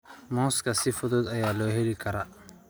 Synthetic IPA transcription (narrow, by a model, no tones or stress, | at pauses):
mɔːskʰɐsɪfʊðʊd̪ɐjaːlɔːɦɛlɪkʰɐɾa